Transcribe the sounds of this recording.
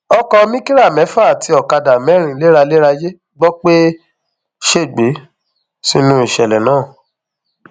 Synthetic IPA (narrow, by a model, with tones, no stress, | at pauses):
ɔ˧kɔ˧mĩ˦ki˦ɾa˦˨mɛ̃˨˦fa˦˨tʰi˧ɔ˨ka˧da˨mɛ̃˨˦ɾ̃ĩ˨˦le˦ɾa˧le˦ɾa˧je˦ | ɡ͡bɔ˦k͡pe˦ | ʃe˦˨ɡ͡be˨˦ | si˧˦nũ˦i˦˨ʃɛ˨lɛ˨nãː˦˨